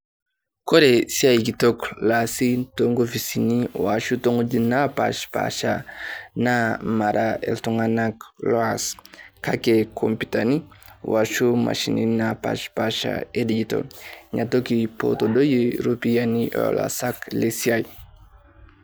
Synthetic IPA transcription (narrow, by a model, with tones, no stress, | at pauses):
kɔ˦ɾɛ˨sia˦i˨ki˨tɔ˦klasi˦toŋɡo˦fi˨si˨ni˦wa˨ʃu˦tɔ˦ŋɡo˦d͡ʒi˦na˦pa̰ʃpa̰ʃana˦ma˨ɾaɛ̰ltɔŋanaklɔ˦aska˦kekʰɔmpi˨tani˦waʃu˦ma̰˨ʃi˨nḭ˦napa̰ʃpaʃa̰e˦did͡ʒi˨tɔ̰ɲa˨tɔ˦ki˨pɔ̰tɔdo˦jeɾu˦pi˦janiʔɔ̰la̰saklesia˦i